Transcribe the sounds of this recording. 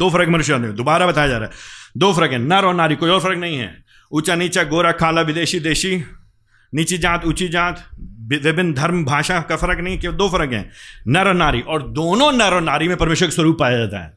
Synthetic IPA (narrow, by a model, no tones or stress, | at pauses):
d̪oːfɐɾəkmɐnʊʃjaːned̪obaːɾabɐt̪aːjad͡ʒaːɾaːɦɛd̪oːfɐɾəkɦɛ̃nɐɾɔːnaːɾikoːiɔːɾfɐɾəknɐɦĩɦɛ̰ː | ʊt͡ʃaniːt͡ʃaɡoːɾakʰaːlaʋɪd̪eːʃid̪eːʃi | niːt͡ʃid͡ʒãːt̪ʊt͡ʃid͡ʒãːt̪ʋɪbɪnd̪ʱɐɾmbʱaːʃakafɐɾəknɐɦĩɦɛkid̪oːfɐɾəkɦɛ̰̃ːnɐɾnaːɾiʔɔːɾd̪oːnõnɐɾɔnaːɾimẽpɐɾmeːʃwəɾkeswɐɾuːpːaːjad͡ʒaːt̪a̰ɦɛ̰ː